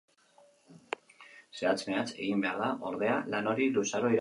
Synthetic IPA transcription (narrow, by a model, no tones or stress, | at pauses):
se̞at͡sme̞at͡se̞̰ɣimbe̞aɾðaʔo̞ɾðe̞alano̞ɾilusaɾo̞iɾ